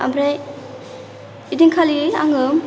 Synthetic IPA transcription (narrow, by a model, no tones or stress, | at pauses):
a̰mɾej | idiŋkʰalia̰ŋɯm